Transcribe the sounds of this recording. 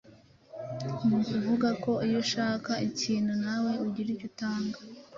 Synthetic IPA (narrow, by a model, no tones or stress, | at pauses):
mukuvuɡako̞ijo̞ʃaːkaiciːn̤unawe̞uɟiɾicutaːŋɡa